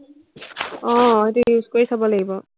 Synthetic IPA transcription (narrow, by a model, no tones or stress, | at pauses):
ɔ̃etujuzkoɹisabɔlaɡibɔ